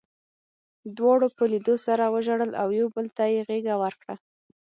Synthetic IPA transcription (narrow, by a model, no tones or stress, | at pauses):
d̪wɑɽopəlid̪osaɾawəʒaɽəla̰wjawbəlt̪ajeɣeɡawəɾkɽa